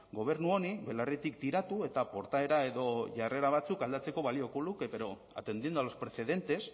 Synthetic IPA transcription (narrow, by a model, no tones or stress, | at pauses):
ɡo̞β̞e̞ɾnuo̞niβe̞laret̪ikt̪iɾat̪ue̞t̪apo̞ɾt̪ae̞ɾae̞ðo̞ʝare̞ɾaβ̞at͡sukald̪at͡se̞ko̞βalio̞kolukeβeɾo̞ | a̰t̪e̞nd̪iend̪ualo̞spɾe̞se̞ðe̞nt̪e̞s